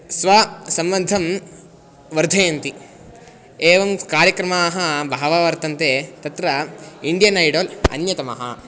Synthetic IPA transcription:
sʋaːsɐmʋɐnd̪ʱɐm | ʋɐɾd̪ʱɐːjɐnt̪i | eːʋɐmkaːɾjɐkɾɐmaːɦɐbʱaːʋaːʋɐɾt̪ɐnt̪eːt̪ɐt̪ɾɐiɳɖijɐnɐjɖoːlɐ̰njɐt̪ɐmɐ̰ɦɐ̰

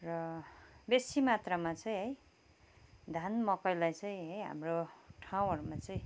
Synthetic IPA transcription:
rʌbesimat̪ramat͡sʌĩɦʌj | d̪ʱanmʌkʌjlajt͡sʌĩɦʌjɦa̰mroʈʰaw̃ɦʌrumat͡sʌĩ

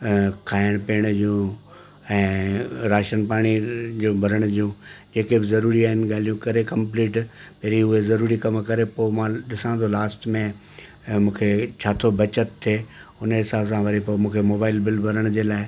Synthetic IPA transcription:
kʰaːɪəɽ̃peːəɽ̃d͡ʑũ | ɛ̃ːɾaːʃənpaːɽ̃id͡ʑũːbʱɐɾəɽ̃ʊd͡ʑijũd͡ʑeːkebɪzɐɾuːɾiaːɦɪnɪ̆ɡaːlijũkɐɾekɐ̃mpliːʈ | peɾiʊɦezɐɾuːɾikɐmkɐɾepoːmãɗɪsãːd̪olaːsʈmẽ | mũːkʰet͡ɕʰaːt̪ʰobɐt͡ɕət̪ʰːeː | ʊnɦɪsaːbsãʋɐɾipomũːkʰemoːbaːɪlbɪlbʱɐɾəɽ̃d͡ʑeːlaːɪ

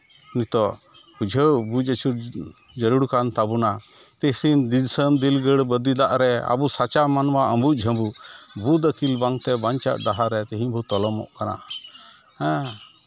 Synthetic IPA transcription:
unit̪ɔ | bud͡ʒʱəbud͡ʒət͡ʃʰuɾ | d͡ʒəɾuɽkant̪abuna | t̪isind̪isəmd̪ilɡəɽbəd̪id̪aʔɾɛa̰busat͡ʃamanwaəmbud͡ʒʱəmbubud̪əkilbaŋt̪ɛbaɲt͡ʃa̰ʔ̚d̪aɦaɾɛt̪ɛɦĩɲbʱut̪ɔlɔmɔ̰ʔkanã̰

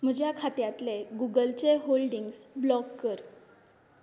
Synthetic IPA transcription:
m̤əd͡ʑʱjakʰat̪jãt̪leɡuɡəlt͡seɦolɖiŋɡsblɔɡkəɾ

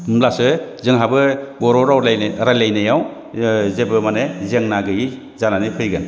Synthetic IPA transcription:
mlasɯzɯŋɦabɯɡɔɾɔɾawaɾajlajnajaw | zebɯmanezeŋnaɡɯji | zananɯpʰɯjɡɯn

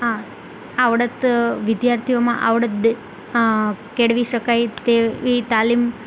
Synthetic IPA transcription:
a | aʋɽət̪ʋɪd̪jaɾt̪ʰijomã̰ʔa̰ʋɽət̪̚ | keɽʋiʃəkajt̪eʋit̪alim

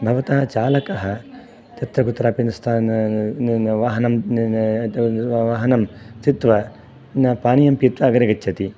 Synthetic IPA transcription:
bʱɐʋɐt̪ɐɦɐt͡ʃaːlɐkɐɦɐ | t̪ɐt̪ɾɐɡut̪ɾaːpinst̪ʰan | ʋaːɦɐnɐm | ʋaːɦɐnɐmt̪it̪ʋɐ | nɐpaːnijɐmpit̪ʋɐɐɡɐɾeɡɐt͡ʃːt͡ʃʰɐt̪i

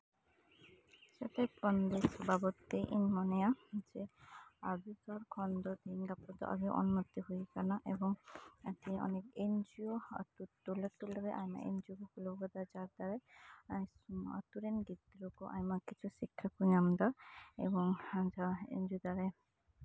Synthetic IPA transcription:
sat̪epɾɔnd̪esɔbabɔt̪ːeʔinmɔnejad͡ʒeabit̪aɾkʰɔnd̪ɔd̪inɡapɔd̪ɔ̰ʔa̰ɡiwʔɔ̰nmɔt̪ːiɦujkanaʔebɔŋt̪iniɔ̰nekend͡ʒijo̰t̪ut̪ulet̪uleɾeʔa̰jma̰ḛnd͡ʒiokukuloɦbad̪ad͡ʒaɾd̪aɾe | a̰t̪uɾenɡit̪ɾukɔʔa̰jmakit͡ʃʰusikʰːakunamd̪aḛbɔŋd͡ʒaḛnd͡ʒud̪aɾe

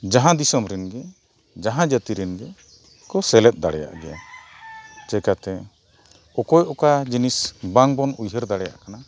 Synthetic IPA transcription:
d͡ʒaɦãd̪isɔmɾɛnɡɛ | d͡ʒaɦãd͡ʒət̪iɾɛnɡɛ | kɔsɛlɛt̪̚d̪aɽɛja̰ʔɡɛja̰ | t͡ʃɛkat̪ɛ | ɔkɔjʔɔkad͡ʒinisbaŋbɔnujɦəɾd̪aɽɛja̰ʔkana

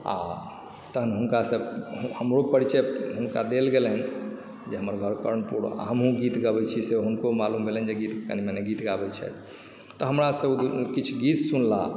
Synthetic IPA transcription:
a̰ | t̪əɦənɦunkasəbhəmɾopəɾit͡ʃɛɦunkad̪elɡeln | d͡ʒeɦəməɾɡʱəɾkəɾənpuɽ̰a̰ɦəmɦũɡit̪ɡəbɛt͡ʃʰiseɦunkomalumbʱelnd͡ʒeɡit̪kə̰nimɛneɡit̪ɡabɛt͡ʃʰɛ̰jt̪ʰ | t̪ɔɦəmɾasəbd̪kit͡ʃʰɡit̪sunla

